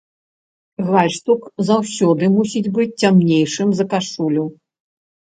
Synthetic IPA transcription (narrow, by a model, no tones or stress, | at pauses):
ɣvalʲʂt̪ukzawsʲɔd̪ɨmusʲid͡zʲbɨt͡sʲt͡sʲamnʲejʂɨmzɐkaʂulʲu